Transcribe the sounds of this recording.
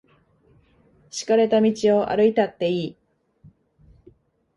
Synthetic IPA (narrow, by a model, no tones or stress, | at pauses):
ɕi̥kaɾe̞t̪amʲit͡ɕio̞ʔa̰ɾɯ̟it̪at̪ːe̞iː